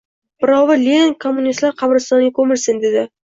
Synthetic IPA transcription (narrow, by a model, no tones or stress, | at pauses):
b̥ɪɾɒwvɪlʲenkʰomːʊnist̪laɾqʰɑbɾɪst̪ɒnɪɡʲakʰɵmɪlsɪnd̪ed̪ɪ